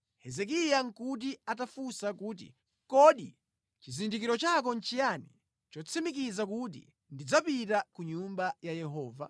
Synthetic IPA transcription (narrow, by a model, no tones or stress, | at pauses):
hɛzɛk̬ijaŋkut̬iatafusakuːt̬ḭ | kɔɗḭ | t͡ʃizindikiɾɔt͡ʃak̬ɔn̩t͡ʃijanḭ | t͡ʃɔt͡sʰimikizakut̬ḭ | ndid͡zapitakuɲumbajajɛɦɔːva̰